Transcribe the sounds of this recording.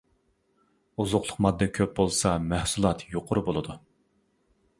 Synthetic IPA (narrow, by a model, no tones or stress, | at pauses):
uzʊqlˠʊqmɑd̪ːɛkʲʰøp̚bolˠsɑmæhsulˠɑt̪joqʰʊɾʊbolˠɨd̪u